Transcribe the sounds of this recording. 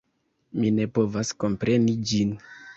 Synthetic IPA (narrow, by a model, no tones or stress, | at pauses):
mine̞po̞vasko̞mpɾe̞nid͡ʒin